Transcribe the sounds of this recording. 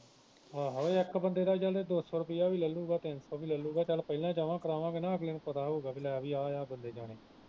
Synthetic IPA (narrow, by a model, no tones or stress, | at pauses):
aːɦoːeːɪkbənd̪eːd̪aːt͡ʃəled̪oːsoːɾʊpɪjaːʋiːləlːuːɡaːt̪ɪnsoːʋiːləlːuːɡaːt͡ʃəlpəɪlãːd͡ʒaːʋãːkəɾaːʋãːkenãːəɡleːnũːpət̪aːɦoːɡaːbɪlɛʋiːaːjaːbənd̪eːd͡ʒaːɽeː